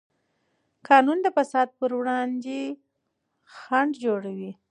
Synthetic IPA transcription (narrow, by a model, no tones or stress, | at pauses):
kɑnund̪əfasɑd̪̚pəɾwɽɑnd̪e | xaɳɖd͡ʒoɽawi